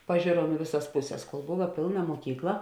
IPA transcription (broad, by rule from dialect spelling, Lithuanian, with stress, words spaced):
pɐˈʒʲeːroːm ɪ ˈʋʲɪˌsɐs ˈpʊˌsʲɛs koːlˠ ˈboːʋɐ ˈpʲeːlˠˌnɐ muɔˈkʲiːklˠɐ